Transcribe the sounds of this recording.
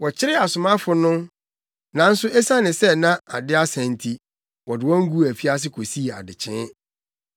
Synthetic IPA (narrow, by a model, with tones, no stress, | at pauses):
wɔ˨t͡ɕʰɪ˦ɾɪ˦a˨sʊ˨mã˦fʊ˨nʊ̃˦ | nã˨n̩˦sʊ˦ɛ˦sã˦nɪ̃˨sɛ˦nã˦a˨dɪ˦a˦sæ̃˨n˨tʰi˨ | wɔ˨dɪ˨wɔ̃˦ŋ̩˦ɡu˦˨æ˨fi˦a˦s̬ɪ˦kʰo˨si˦˨a̰˨dɪ˨t͡ɕʰɪ̃˦